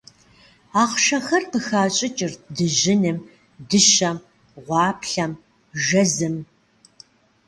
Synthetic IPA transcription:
aːqʃɐxɐrqəxaːt͡ʃʼɪt͡ʃʼɪrdɨʒɪnɨm | dɨʃɐm | ʁʷɑːpɬɐm | ʒɐzɨm

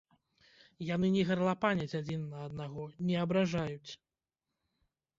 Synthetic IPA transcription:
janɨnʲɛɣɐrlˠapanʲɐt͡sʲad͡zʲinːɐːd̪̚naɣɔnʲɛɐbɾaʐajut͡sʲ

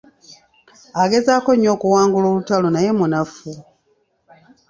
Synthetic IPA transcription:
aɡe̞zaːko̞ɲːo̞ːkuwaːŋɡulo̞ːβutalonaje̞munafu

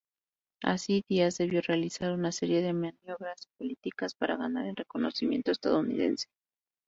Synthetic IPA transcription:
a̰siðiazðe̞β̞jo̞re̞alisaɾunase̞ɾje̞ðe̞manjo̞βɾaspo̞lit̪ikaspaɾʔaɣanaɾe̞lre̞ko̞no̞̰simje̞nt̪o̞est̪að̞ounḭðe̞̰nse̥

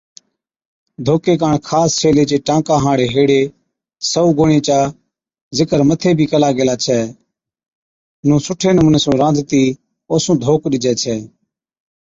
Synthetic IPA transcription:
d̪ʱoːkeːk̬aːɳkʰaːst͡ʃʰeːleːt͡ʃeːʈãːkãːɦãːɽeːɦeːɽeː | səuːɡoːɳẽːt͡ʃaː | zɪkəɾmət̪ʰeːbʱiːkəlaːɡeːlaːt͡ʃʰɛː | nũːsʊʈʰeːnəmuːneːsũːɾãːd̪ʱt̪iː | oːsũːd̪ʱoːkɗɪd͡ʒɛːt͡ʃʰɛː

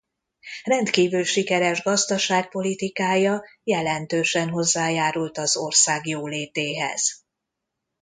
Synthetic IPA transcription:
rɛnt̪kiːvylʃikɛɾɛʒɡɒzd̪ɒʃaːk̚po̞lit̪ikaːjɒ | jɛlɛnt̪øːʃɛnɦo̞zːaːjaːɾult̪ɒzo̞rsaːɡjoːleːt̪eːɦɛ̰z̥

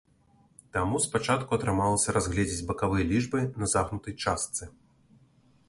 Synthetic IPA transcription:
t̪amuspat͡ʂat̪kuɐt̪ɾɨmalˠɐsʲɐɾazɣlʲɛd͡zʲid͡zʲbɐkavɨjɐlʲiʐbɨnɐzaɣnut̪ɐjt͡ʂast̪sɨ

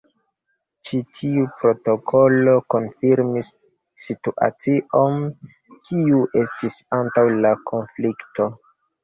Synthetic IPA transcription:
t͡ʃitʰiupɾo̞to̞kʰo̞lo̞ko̞nfiɾmisː | ituʔa̰t͡siʔo̞n | kʰiuʔe̞stisantawlakʰo̞nflikto̞

